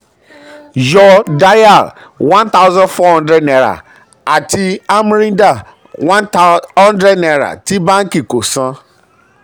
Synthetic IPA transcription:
jɔ˦da˦ja˦˨l | wã˦nt̪a˦wʊ˦zã˦nfɔ˦hɔ̃˦ndɾɛ˦dnɛ˨ɾa̰˨ | a˨tʰi˦a˦m˦ɾĩ˦n˦da˦˨ | wã˦nhɔ̃˦ndɾɛ˦dnɛ˨ɾa̰˨ti˦bã˦ŋ˦ki˨ko˨sã˦

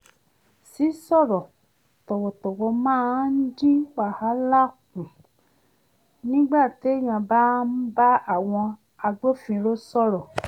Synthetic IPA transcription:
si˨˦sɔ˦˨ɾɔ˨ | tɔ˨wɔ˨tɔ˨wɔ˧mãː˦n̩˦d͡ʒi˦wa˨ha˨˦la˦˨kũ˨ | nĩ˦ɡ͡ba˦˨ti˨˦e˦j̃ã˧˨ba˦n̩˦ba˦a˦˨w̃ɔ̃˧ | a˧ɡ͡bo˦fĩ˧ɾo˦sɔ˦˨ɾɔ˨

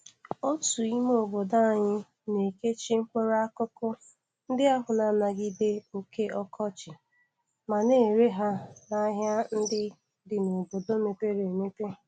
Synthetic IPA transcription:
o˦tu˨i˦m˦o˨bo˨da˦a˨ɲɪ˦ | ne˨ke˦t͡ʃi˦ŋ̩˦kʷe˦ɾa˦kʊ˦kʊ˦ | n̩˦dɪ˦a˦ɦʊ˨na˨na˨ɡi˦de˦o˨ke˦ʔɔ˦kʰɔ˦t͡ʃɪ˨ | ma˨ne˦˨ɾe˦ɦa˦na˦ɦja˦n̩˦dɪ˦ | dɪ˨no˨bo˨do˦me˨pe˦ɾe˨me˦pe˦

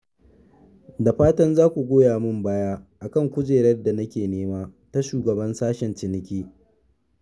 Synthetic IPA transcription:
da˨ɸaː˦tɐ˦nzaː˦kʷu˨ɡʷoː˦jaː˨mʊ˦˨mbaː˦jaː˦ʔa˨kɐ˦˨ŋkʷʊ˦d͡ʒeː˨ɾɐ˦rda˨nɐ˦kʲeː˨neː˦maː˦ta˦ʃuː˨ɡɐ˨bɐ˦nsaː˦ʃɛ˨nt͡ʃɪ˨nɪ˦kʲiː˦

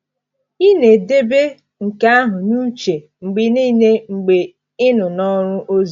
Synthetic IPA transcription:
i˦ne˨de˦be˦ | ŋ̩˨ka˦a˦ɦʊ˨nu˦t͡ʃe˨ | ŋ͡m̩˨ɡ͡bɪ˨niː˦ne˦ŋ͡m̩˨ɡ͡be˨ | ɪ˦nʊ˨nɔ˦ɾʊ˦ʔo˦z

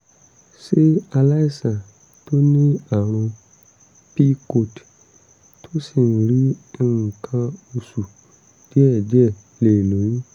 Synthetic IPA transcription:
se˦a˨la˦i˦sã˨ | to˦nĩ˦a˨ɾ̃ʊ̃˨ | pi˦ko˦t | tʰo˦si˨ŋ˨ɾi˦˨ŋ̩˨kʰã˦o˨su˨ | d̥i˦ɛ˨d͡ʒɛ˦ | le˨lo˨jĩ˦

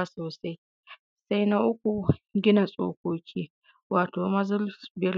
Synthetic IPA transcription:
soː˨sa˦j | sa˦jna˦ʔʊ˦kʷu˨ɡʲɪ˦na˨sʼo̰ː˦kʷoː˦kʲʰiː˦ | waː˨toː˨mɐ˦zʊ˦lbɪ˦ɾ

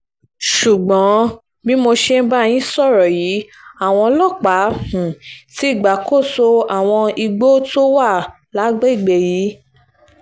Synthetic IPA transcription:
ʃu˨ɡ͡bɔ̃˨˦ | bĩ˦mo˧ʃe˦n̩˦ba˦˧j̃ĩ˦sɔ˦˨ɾɔ˨ji˨˦ | a˨w̃ɔ̃˧lɔ˦˨k͡pa˨˦hũ˨ti˨˦i˦˨ɡ͡ba˨ko˦˨so˧a˨w̃ɔ̃˧i˧ɡ͡bo˦to˦wa˦˨ | la˨˦ɡ͡be˦i˦˨ɡ͡be˧˨ji˨˦

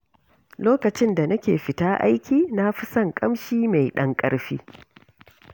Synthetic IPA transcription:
loː˦kɐ˨t͡ʃɪ˦nda˨nɐ˦kʲeː˨ɸɪ˨taː˦ʔa̰˦jkʲiː˨na˦ɸɪ˦sɐ˦˨ŋkʼɐ˦mʃiː˦ma˨jɗɐ˦ŋkʼɐ˦ɽɸḭː˦

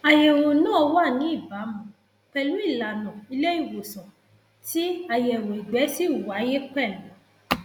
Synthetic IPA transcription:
a˨jɛ˨wo˨nãː˦˧˦wa˦˨nĩ˨˦i˦˨ba˨˦mũ˧ | k͡pɛ˧lu˨˦i˦˨la˨nɔ̃˨i˧le˦i˦˨wo˨sɔ̃˨ | ti˦a˧jɛ˨ɾo˨i˨ɡ͡bɛ˨˦si˦u˨wa˨˦je˦k͡pɛ˦˨lɔ̃˨˦

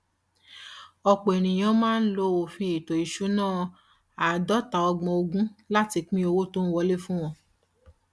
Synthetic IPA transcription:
ɔ˧k͡po˨e˨ñĩ˨j̃ã˨˧˦mãː˦n̩˦lo˧˦o˨fĩ˧˦e˨to˨i˨ʃu˨˦nãː˦˨ | a˨dɔ˦ta˨ɔ˧ɡ͡bɔ̃˧o˧ɡũ˦la˦ti˧k͡pĩ˦o˧wo˦to˦n̩˦wɔ˧le˦fũ˦w̃ɔ̃˧

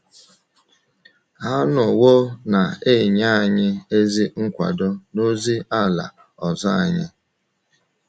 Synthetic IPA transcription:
ɦa˦nʊ˨wo˦na˨e˦˨ɲa˦˨ɲɪ˦e˦zi˦ŋ̩˦kʷa̰˨dɔ˦no˦zi˦a˦la̰˨ | ɔ˨zɔ˦a̰˨ɲɪ˦

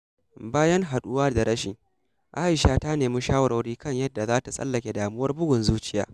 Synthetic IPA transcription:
baː˦jɐ˦ŋɦa˨ɗʊ˦waː˦da˨ɾɐ˦ʃɪ˨ŋ | ʔaː˦ʔɪ˨ʃaː˦ta˦neː˨mi˦ʃaː˦wɐ˦ɾo˨ɽiː˦kɐ˦˨ɲjɐ˦dːa˨zaː˦ta˨sʼɐ̰˦lːɐ˨kʲe˨daː˨mʊ˦wɐ˦rbʊ˦ɡʷʊ˨nzuː˦t͡ʃɪ˦ja̰ː˦

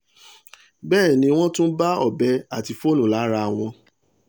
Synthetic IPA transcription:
bɛː˦˨nĩ˧˦w̃ɔ̃˦tũ˦ba˦ɔ˦˨bɛ˧˦a˦˨ti˧fo˦˨nũ˨la˨˦ɾa˧˨w̃ɔ̃˧

